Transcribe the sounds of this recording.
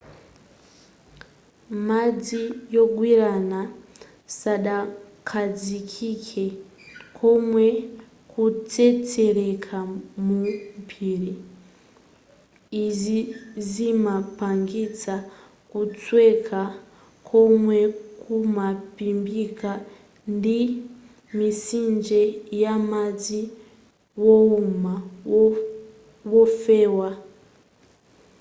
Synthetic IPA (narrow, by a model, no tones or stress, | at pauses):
mad͡zijɔɡwiɾana | saɗa | kʰad͡zikʰikʰɛ | kʰɔmwɛ | kut͡sɛt͡sɛɾɛkʰamumpʰiːɾi | izizimapaŋɡit͡sa | kut͡swekʰa | kʰomwekʰumapimbikʰa | ndi | misiːnd͡ʒejamazi | wouma | wofewa